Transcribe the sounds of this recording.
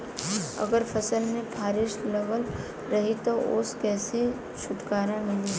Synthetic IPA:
ɐ̰ɡəɾfʰɐsəlmẽpʰaːɾɪʃlɛʋəl | ɾɐɦit̪oʊskɛːse | ʃʊʈkaːɾãmɪli

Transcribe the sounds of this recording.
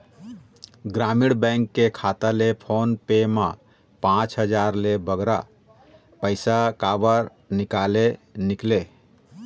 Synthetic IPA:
ɡɾamiɽbɛ̃ŋkːekʰat̪əlepʰonpema | pãt͡ʃɦəd͡ʒaɾlebəɡɾa | pəɪsakabəɾ | nikalenikle

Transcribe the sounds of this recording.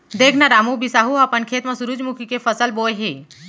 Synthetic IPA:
d̪eːkʰnaɾamubisaɦuapənkʰeːt̪mãsʊɾud͡ʒmʊkʰikefəsəlboːeɦeː

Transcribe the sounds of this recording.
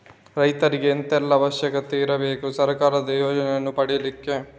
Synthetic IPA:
ɾɐjt̪ɐɾiɡeːnt̪ɛlːɐːʋɐʃjɐkɐt̪eiɾɐbe̞ːkusɐɾɐkaːɾɐd̪ɐjoːd͡ʒɐnɛjɐnːupɐɽijɐlikːe̞

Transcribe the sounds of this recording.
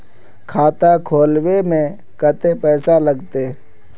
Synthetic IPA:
kʰaːt̪akʰoːlwemẽ | kət̪epɛːsaləɡt̪e

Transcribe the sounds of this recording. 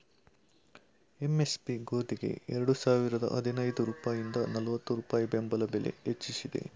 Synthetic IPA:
emespiɡoːd̪iɡe̞̰ɛɾɐɽusaːʋiɾɐd̪ɐ̰ʔɐd̪ʱinɐjd̪uɾuːpaːjind̪ɐnɐlɐʋɐt̪ːuɾuːpaːjibembɐlɐbelḛet͡ʃːisid̪e̞̰

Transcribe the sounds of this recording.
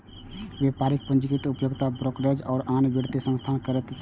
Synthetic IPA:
ʋjepaɾik̚pənd͡ʒikit̪upjoɡt̪abɾokɾəd͡ʒɔːɾanbeɽt̪esə̃mst̪ʰankəɾət̪t͡ʃ

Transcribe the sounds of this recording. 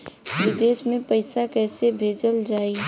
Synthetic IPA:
ʋɪd̪eːsmẽpɐɪsakɛːsebʱeːd͡ʒəld͡ʒaːi

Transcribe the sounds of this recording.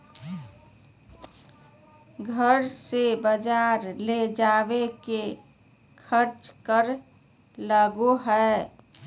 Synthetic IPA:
ɡʱəɾsebəd͡ʒaɾled͡ʒabeke | kʰəɾt͡ʃkəɾ | ləɡuɦɛ

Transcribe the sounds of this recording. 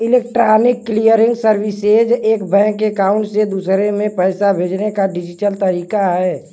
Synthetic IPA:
ɪleːk̚ʈɾaːnɪkːlijəɾɪ̃ŋɡsəɾwɪsed͡ʒeːkbɛ̃ːkːekaːʊ̃ɳʈsed̪usɾemẽpɛːsabʱeːd͡ʒnekaɖɪd͡ʒɪʈəlt̪əɾiːkaɦɛː

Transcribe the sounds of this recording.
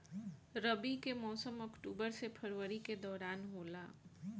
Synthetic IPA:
ɾəbikemɔːsəmɔkʈuːbəɾsepʰəɾʋəɾiked̪ɔːɾaːnɦoːlaː

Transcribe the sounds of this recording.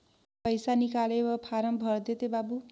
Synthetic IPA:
pʌjsanikalewʌpʰaɾʌmbʱʌrd̪et̪ebabu

